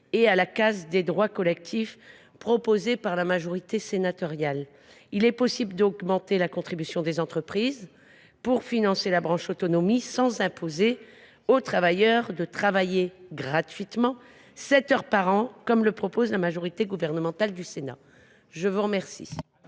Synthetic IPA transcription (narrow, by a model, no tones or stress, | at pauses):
ealakazd̪ed̪ʁwakɔlɛk̚t̪ʰif | pχɔpozepaʁlamaʒɔʁit̪esenat̪ɔʁjal | ilɛpɔsibləd̪ɔɡmɑ̃t̪elakɔ̃t̪χibysjɔ̃d̪ezɑ̃t̪χəpχiz | pχuʁfinɑ̃selabʁɑ̃ʃot̪ɔnɔmisɑ̃zɛ̃pʰoze | ot̪χavajœʁd̪ət̪χavajeɡʁat̪ɥit̪mɑ̃ | sɛt̪œʁpaʁɑ̃kɔmləpχɔpozlamaʒɔʁit̪eɡuvɛʁnəmɑ̃t̪ald̪ysena̰ | ʒəvuʁəmɛʁsḭ